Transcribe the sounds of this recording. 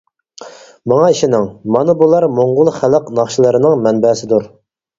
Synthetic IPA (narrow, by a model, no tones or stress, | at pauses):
mɑŋɑiʃinɪŋmɑnɨbulˠɑɾmoɴʁʊlˠχæləqnɑχʃilˠɨɾɨnɨŋmɛnbɛːsɪd̪uɾ